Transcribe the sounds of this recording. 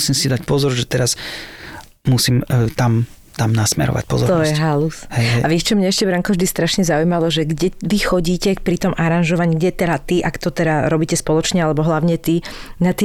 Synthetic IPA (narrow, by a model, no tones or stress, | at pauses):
siːmsid̪ac̚pɔzɔɾʒɛt̪ɛɾas | musiːmt̪am | t̪amnasmɛ̰ɾɔ̰ʋa̰c̚pɔ̰zɔɾtɔjɛɦalushɛaʋiɛʃt͡ʃɔmɲɛɛʃcɛbɾaŋkɔvʒd̪ist̪ɾaʃɲɛzaujmalɔʒɛɡɟɛʋixɔɟiːcɛkpɾit̪ɔmʔaɾanʒɔʋaɲiːɡɟɛt̪ɛɾat̪iʔakt̪ɔt̪ɛɾaɾɔbiːcɛspɔlɔt͡ʃɲɛalɛbɔɦlaʊɲɛt̪inat̪i